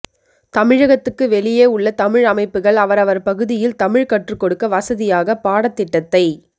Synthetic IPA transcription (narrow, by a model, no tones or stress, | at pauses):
t̪ɐmɪɻɐɣɐt̪ːɯkːɯʋɛɭɪjeːʊɭːɐt̪ɐmɪɻɐmɐɪpːɯɣɐɭɐʋɐɾɐʋɐɾpɐɣɯðɪjɪlt̪ɐmɪɻkɐʈrɯkːɔɽɯkːɐʋɐsɐðɪjaːɣɐpaːɽɐt̪ːɪʈːɐt̪ːɐɪ